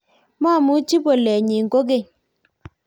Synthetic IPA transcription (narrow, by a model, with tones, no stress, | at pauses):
ma˦˨mu˨˦t͡ʃi˦bo˨lɛ˨ɲi˨ŋ̩˨ko˦ɡe˦˨